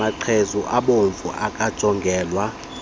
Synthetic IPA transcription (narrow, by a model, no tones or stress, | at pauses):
aǃʰezuʔaɓoɱfṵʔakʼad̥ʒ̥ʱɔŋɡʱɛːlwa